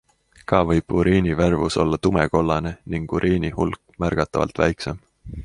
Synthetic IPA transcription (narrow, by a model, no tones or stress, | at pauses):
kɑvɤjb̥uɾiːniværvuso̞̰lːɑt̪umeko̞lːɑne̞niŋɡ̥uɾʔiːnʲihulk | mærɡ̥ɑt̪ːˑɑvɑ̰lt̪væjkse̞m